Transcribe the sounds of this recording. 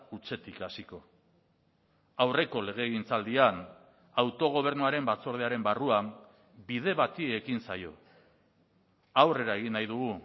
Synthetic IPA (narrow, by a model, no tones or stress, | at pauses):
ut͡se̞t̪ikasiko̞ | awre̞ko̞le̞ɣ̞e̞ɣint͡sald̪ian | awt̪o̞ɣ̞o̞β̞e̞ɾnuaɾe̞mbat͡so̞ɾð̞eaɾe̞mbaruam | bið̞e̞βat̪iekinsa̰jo̞̰ | awre̞ɾaeɣinːajðuɣu